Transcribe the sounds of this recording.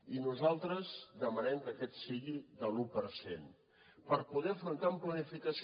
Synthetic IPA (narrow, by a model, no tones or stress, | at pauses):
inuzalˠt̪ɾəzd̪əmənɛmkəkɛt̪siɣiðəlupəɾsḛn | pəɾpuðɛəfɾunt̪aəmplənifikəs